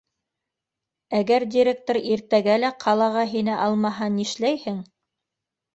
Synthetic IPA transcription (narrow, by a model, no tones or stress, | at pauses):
æɡæɾdʲiɾʲek̚t̪oɾiɾt̪æɡælæqʰɑlˠɑʁɑɦinɘʔɑlˠmɑɦɑniʃlæjhɘŋ